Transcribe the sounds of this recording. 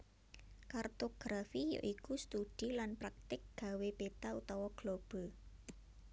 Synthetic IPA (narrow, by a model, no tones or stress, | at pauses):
kart̪oɡ̥ɾafijo̰ʔikust̪ud̥i̤lanpɾak̚t̪ɪk̚ɡ̥ä̤web̥et̪aut̪ɔwɔɡ̥lob̥ɔ̤